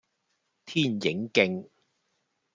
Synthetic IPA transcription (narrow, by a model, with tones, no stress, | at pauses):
t̪ʰiː˥˩njɪ˨˥ŋkɪ˧ŋ